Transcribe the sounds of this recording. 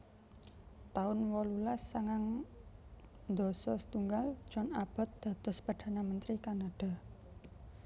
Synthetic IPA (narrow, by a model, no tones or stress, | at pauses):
t̪aʊnwɔlulasːaŋaŋ | nd̪o̤sɔsə̥t̪uŋɡal̥ʒ̥ɔnab̥a̤t̪̚d̪̥a̤t̪ɔspard̪̥a̤namənt̪ɾikanaɖ̪̥a̤